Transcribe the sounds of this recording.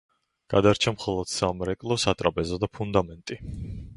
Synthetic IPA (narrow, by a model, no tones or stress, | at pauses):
ɡ̥ad̪aɾt͡ʃʰamχɔlˠɔd̪̥samɾɛkʼlˠɔsat̪ʼɾapʼɛzɔd̪apʰund̪amɛnt̪ʼi